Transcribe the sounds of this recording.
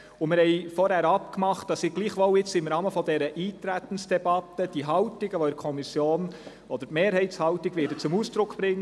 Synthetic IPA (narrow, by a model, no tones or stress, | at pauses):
ʊmɪɾhɛɪfɔɾhæɾɑpkmɑχt̚d̥ɑsiɡ̥liːχʋɔlɪt͡sɪmɾɑːməfɔdɛɾəʔiːtɾæt̪ən̩sd̥ɛbɑtəd̥iɦɑʊtɪɡəʋoɛkʰɔmisjoːn | ɔd̥̪əɾmeːɾhɛɪtshɑʊtɪɡʋɪːɾdət͡sʊmuːsd̥ɾʊkʰb̥ɾɪŋ